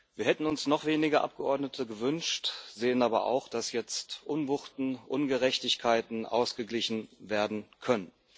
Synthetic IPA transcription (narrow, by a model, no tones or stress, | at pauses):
viːɐhɛtn̩ʊnsnɔχv̥eːnɪɡɐʔa̰p̚ɡ̥əʔɔɐdnətʰəɡəvʏnʃtz̥eːənaːbɐ̰ʔa̰ʊxd̥asjɛt͡stʔʊnvʊχtn̩ʔʊnɡəʁɛçtɪçkʰaɪtn̩ʔa̰ʊsɡ̥əɡlɪçn̩veːɐdn̩kʰœnən